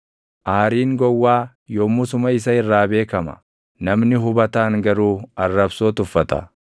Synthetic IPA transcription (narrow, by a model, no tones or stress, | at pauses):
ʔaːɾiːŋɡɔwːaː | joːmːʊsʊmɐɪs̬ɐɪrːaːbe̞ːkɐmɐ̰ | nɐmnɪɦʊbɐt̪aːŋɡɐɾuːɐrːɐbsoːt̪ʊfːɐt̪ɐ̰